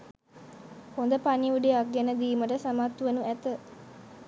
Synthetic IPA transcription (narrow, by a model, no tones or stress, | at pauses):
hond̪əpaniuɖeak̚ɡɛnəd̪iːməʈəsamat̪ːuʋenuʔæt̪ə